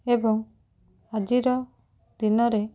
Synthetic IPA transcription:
ebɔŋ | ad͡ʒiɾɔ | d̪̥inɔɾe

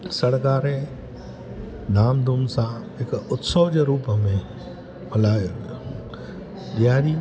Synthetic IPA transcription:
sɐɽkaːɾe | naːmd̪ʱumsãɦɪkʊt̪sɔd͡ʑeːɾuːpəmẽ | pɐlaːjo | ɗijaːɾiː

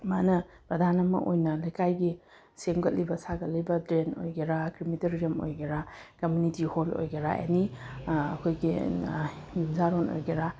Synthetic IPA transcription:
manɐ | pɾɐdʱanɐmɐ̰ʔojnɐlɐjkajɡi | semɡɐt̚libɐsaɡɐt̚libɐdɾeno̰jɡeɾakɾimitɐɾiɐmo̰jɡɐɾakɐmjunitiholo̰jɡɐɾaḛniɐ̰kʰojɡi | jumzaɾono̰jɡɐɾa

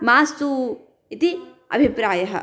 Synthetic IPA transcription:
maːst̪uː | it̪i | ɐ̰bʱipɾaːjɐɦɐ̰

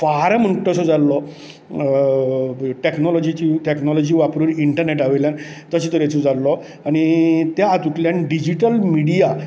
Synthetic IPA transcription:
faɾm̤əɳʈːɔsɔd͡zalːɔ | ʈeknɔlɔd͡ʑit͡ɕiʈeknɔlɔd͡ʑiʋapɾuːniɳʈəɾneʈaʋeljan | t̪əɕet̪əɾet͡sod͡zalːɔ | añit̪jaːt̪uʈljãnɖid͡ʑiʈəlmiɽija

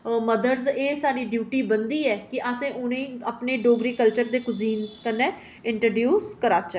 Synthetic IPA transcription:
məd̪əɾzeːsaːɾiːɖjuːʈiːbənd̪iːɛːkɪʔaːsẽːʔʊnẽːəpneːɖoːɡɾiːkəlt͡ʃəɾd̪eːkʊziːnkənːẽː | ɪɳʈɾəːɖjuːskəɾaːt͡ʃɛ

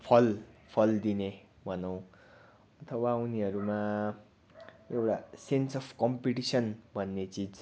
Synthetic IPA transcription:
pʰʌlpʰʌld̪ine | bʱʌnʌw̃ | ʌt̪ʰʌwauniɦʌɾuma | ewʈasensʌpʰkʌmpiʈisʌnbʱʌnːet͡sid͡z

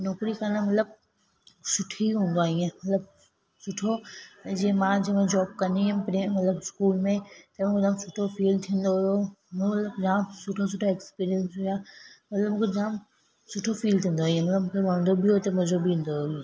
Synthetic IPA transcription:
nɔːkɾikɐnəmɐt̪ləb̚ | sʊʈʰiɦũːn̆d̪oaːɦĩẽmɐt̪ləb̚ | sʊʈʰod͡ʑiːẽmãːd͡ʑɐmẽd͡ʑɔːb̚kɐniɦẽpɾemɐt̪ləbɪskuːlmẽt̪ɐmũːkʰed͡ʑãːmsʊʈʰofiːlt̪ʰĩːn̆d̪oɦʊjommɐt̪ləbɾãːmsʊʈʰos̬ʊʈʰoekspiːɾiə̃nsɦʊjaːmɐt̪ləbmũːkʰed͡ʑaːm | sʊʈʰofiːlt̪ʰĩːn̆d̪oːĩẽmɐt̪ləbmũːkʰeʋãːnd̪obioet̪ɐmɐ̃zobiũːn̆d̪oĩ

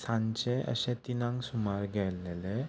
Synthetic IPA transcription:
sãɲt͡ɕeʔə̰ɕɛ̃t̪inãŋɡsumaɾɡʱɛlele

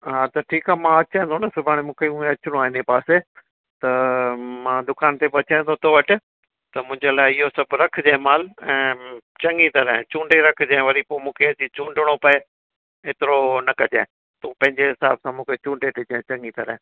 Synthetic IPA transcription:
ɦaːt̪ɐʈʰiːkaːmãɐt͡ɕẽẽt̪ʰonɐsʊbʱaːɽ̃emũːkʰeũẽɐt͡ɕɪɽ̃õaːɦɪnepaːse | t̪ɐmãːd̪ʊkaːnt̪ebɐt͡ɕə̃ːt̪ʰot̪ʰoːʋɐʈɪ̆ | t̪ɐmʊ̃ɦɪ̃ɲd͡ʑelaːɪɪɦosɐbɾɐkʰd͡ʑãɪ̃maːlɛ̃ːt͡ɕɐ̃ŋit̪ɐɾɛ̃ɪ̃t͡ɕũːɳɖeɾɐkʰd͡ʑãɪ̃ʋɐɾipoːmũːkʰeɐd͡ʑit͡ɕũːɳɖɪɽ̃opɐe | eːt̪ɪɾonɐkɐd͡ʑḛ̃ː | t̪uːpɐ̃ɦɪ̃ɲd͡ʑeɦɪsa̰ːbsãmũːkʰet͡ɕũːɳɖeʈɪd͡ʑãẽt͡ɕɐ̃ŋit̪ɐɾɛ̰̃

